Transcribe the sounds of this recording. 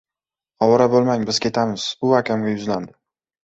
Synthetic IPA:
hɒwɒɾabolˠmaŋbɪzkʲʰe̞t̪ʰamɪz̥ʊakʲamɡʲajʊzland̪ɪ

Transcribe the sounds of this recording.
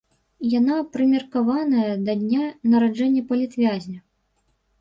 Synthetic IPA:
janapɾɨmʲɛrkavanɐjɐd̪ɐd̪ʲnʲanɐɾad͡ʐɛnʲːɐpɐlʲit̪vʲazʲnʲɐ

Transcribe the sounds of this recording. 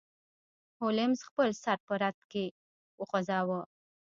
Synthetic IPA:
holɪmzxpəlsaɾt̪̚pəɾat̪ke | wəxazɑwə

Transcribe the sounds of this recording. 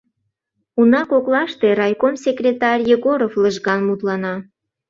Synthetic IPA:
unɑkoklɑʃt̪e̽ɾɑjkomsʲekrʲet̪ɑrʲjeɣoɾofləʒɣɑnmut̪lɑnɑ

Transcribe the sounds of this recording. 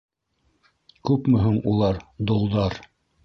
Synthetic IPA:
kʉpmɵ̆ɦɵŋulˠɑɾd̪ŏlˠd̪ɑɾ

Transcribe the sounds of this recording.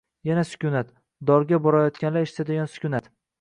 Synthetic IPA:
janasʊ̥kʲʊnat̪ | d̪ɒɾɡʲabɒɾajɒt̪kʲanlaɪʃt̪ʰad̪eɡʲɒnsʊ̥kʲʰʊnat̪

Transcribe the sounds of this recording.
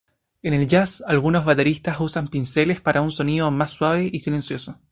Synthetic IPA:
ene̞lʝasalɣuno̞zβat̪eɾist̪asusampinselespaɾʔaunso̞niðomasːwaβ̞eʔisile̞nsjo̞so

